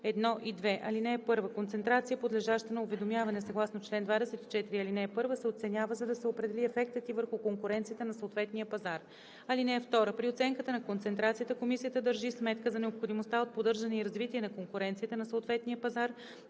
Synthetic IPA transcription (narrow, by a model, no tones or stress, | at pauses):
ɛd̪nɔʔid̪vɛʔɐlinɛɛpɤɾvəkont̪sɛnt̪ɾat̪sijəpod̪lɛʒaʃt̪ənɐʊvɛd̪omʲjavɐnɛsɐɡlˠasnot͡ʃlɛnd̪vad̪ɛsɛt̪i̥t͡ʃɛt̪iɾiɐlinɛːpɤɾvəsɛot̪sɛnʲjavəzɐd̪ɐsɛopɾɛd̪ɛliɛfɛk̚t̪ət̪ivəɾxʊkoŋkʊɾɛnt̪sijət̪ənɐsoot̪vɛt̪nijəpɐzaɾ | ɐlinɛɛft̪ɔɾəpɾiot̪sɛŋkət̪ənɐkont̪sɛnt̪ɾat̪sijət̪əkomisijət̪əd̪əɾʒismɛt̪kəzɐnɛopxod̪imost̪aot̪̚pod̪ɤɾʒɐnɛiɾɐzvit̪iɛnɐkoŋkʊɾɛnt̪sijət̪ənɐsoʊt̪vɛt̪nijəpɐzaɾ